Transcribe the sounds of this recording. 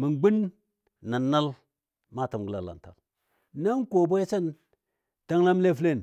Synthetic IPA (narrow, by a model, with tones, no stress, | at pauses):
mə˨nɡ͡bi˦n | nːa˨nːa˦l | ma˦˨ta˨mɡə˦la̰˨la̰˨nta̰˨l | na˦ŋko˨bo˦se˦n | ta˦ŋla˦m˦le˦fle˦˨n